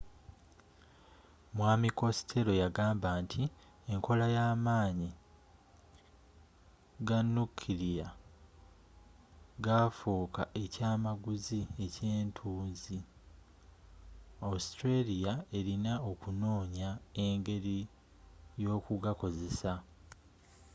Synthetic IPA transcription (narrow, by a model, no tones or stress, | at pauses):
mwaːmiko̞si̥tʰe̞ɾo̞jaɡaːmbaːntʰi | eŋko̞lajaːmaːɲi | ɡanːukʰilija | ɡaːfuːkaʔe̞caːmaɡuzie̞ce̞ːntʰuːnzi | austɾelijae̞ɾinao̞kuno̞ːɲae̞ŋɡe̞ɾi | jo̞ːkuɡako̞ze̞sa